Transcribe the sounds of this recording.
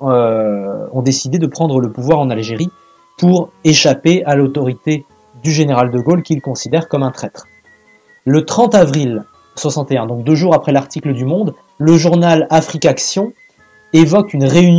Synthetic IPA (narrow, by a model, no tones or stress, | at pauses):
ø | ɔ̃d̪esid̪ed̪əpχɑ̃d̪ʁələpuvwaʁɑ̃nalʒeʁi | puʁeʃapealot̪ɔʁit̪e | d̪yʒeneʁald̪əɡolkʲilkɔ̃sid̪ɛʁkɔmɛ̃t̪χɛt̪χ | lət̪χɑ̃t̪avʁil | swasɑ̃t̪eɛ̃d̪ɔ̃k̚d̪øʒuʁapχɛlaʁt̪ikləd̪ymɔ̃d̪ | ləʒuʁnalafχikaksjɔ̃ | evɔkynʁeyn